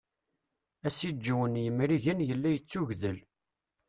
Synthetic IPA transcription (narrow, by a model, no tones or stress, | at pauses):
æsid͡ʒːwənjəmɾiʝənjəlːæjət͡sːuʝðəl